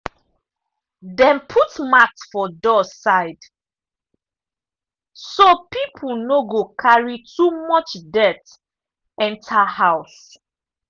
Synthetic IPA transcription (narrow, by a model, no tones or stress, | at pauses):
dɛ̃npʰutmaksfɔdɔsaɪd | sopipʰul̩noɡokʰaɹitʰumɔt͡ʃdɛt | ɛ̃ntʰahaʊs